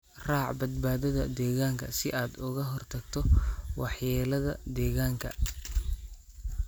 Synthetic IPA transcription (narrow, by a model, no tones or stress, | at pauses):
raːʕbɐd̪̚baːðɐðɐd̪ɛːɣaːŋkʰɐsɪʔaːd̪ʊɣɐɦɔrt̪ʰɐɡt̪ʰɔwɑħjɛːlɐðɐd̪ɛːɣaːŋkʰɐ̰